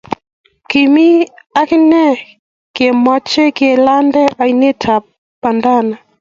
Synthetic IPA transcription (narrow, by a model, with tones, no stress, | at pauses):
ki˨mi˦a˦kɪ˦nɛ˦ | ke˨mɔ˦t͡ʃe˦ke˨la˦ndɛ˦ʔa˨jne˦tʰa˨ | pa˨nda˦na˨